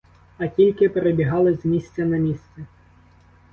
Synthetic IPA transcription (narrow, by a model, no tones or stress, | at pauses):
ɐtʲilʲkɪpeɾebʲiɦɑlˠɪzmʲisʲt͡sʲɐnɐmʲisʲsʲɛ